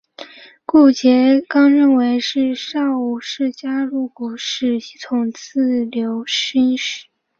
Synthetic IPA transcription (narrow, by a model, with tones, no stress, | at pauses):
ku˥˩t͡ɕjɛ˧˥kɑ˥ŋɻə˥˩nwe˧˥ɪʂɻ̩˥˧ʂɑ˥˩u˨˩ʂɻ̩˥˩t͡ɕja˥ɻu˥˩kɔ˨˩ʂɻ̩˥˩ɕi˥˩t̪ʰʊ˨˩ŋt͡sɹ̩˥˩ljo˧˥ʊʂi˥nʂɻ̩˥˩˦